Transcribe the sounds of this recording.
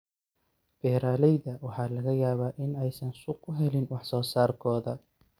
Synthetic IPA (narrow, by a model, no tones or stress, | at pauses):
b̥ɛːɾaːlɛjðɐwɑħɑːlɐɣɐjaːβaːʔɪnɛjsɐnsʊqʰʊɦɛlɪnwɑħsɔːsaːrkʰɔːðɐ